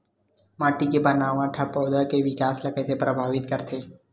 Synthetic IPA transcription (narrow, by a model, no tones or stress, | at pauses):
maːʈikebɐnaːʋãʈʰɐpɔːd̪əkeʋɪkaːslɐkəsepɾɐbʱaːʋɪt̪kɐɾt̪ʰeː